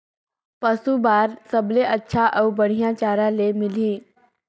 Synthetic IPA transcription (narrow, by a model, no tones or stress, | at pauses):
pəsubaːɾsəbleʔətːʃʰaʔəwbəɽ̤ijat͡ʃaːɾãlemɪliː